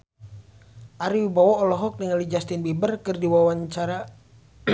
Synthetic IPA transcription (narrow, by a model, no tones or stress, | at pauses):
ʔaɾiwibawaɔlɔɦɔk̚diŋalid͡ʒast̪inbibərkɨrdiwawaɲt͡ʃaɾa